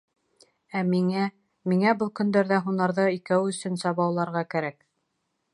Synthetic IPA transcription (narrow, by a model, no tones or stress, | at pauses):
æmiŋæ | miŋæbɤlˠkɵ̆nd̪æɾðæɦunɑɾðɤikæwɵ̆sɵ̆nsɑβɑwlˠɑɾʁɑkæɾæk